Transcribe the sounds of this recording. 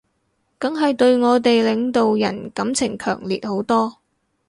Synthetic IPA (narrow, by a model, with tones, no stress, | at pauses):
kɐ˨˥ŋɦɐ˨jt̪ɵ˧ɥŋɔː˨˧t̪̬e˨jlɪ˨˧ŋt̪o˨wjɐ̰˨˩nkɐ˨˧˥mt͡sʰɪ˨˩ŋkʰœː˨˩ŋliː˨t̚ho˨˥wt̪ɔː˥